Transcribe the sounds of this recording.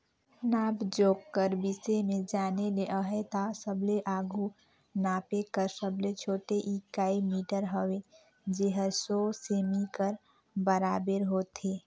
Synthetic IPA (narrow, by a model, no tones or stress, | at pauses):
naːbd͡ʒoːkːəɾbisemẽd͡ʒaːneleʔəɦet̪asəbleʔaːɡu | naːpekəɾsəblet͡ʃʰoːʈeʔikaːimiːʈəɾɦəwe | d͡ʒeɦəsoseːmikəɾ | bəɾaːbeɾɦoːt̪ʰeː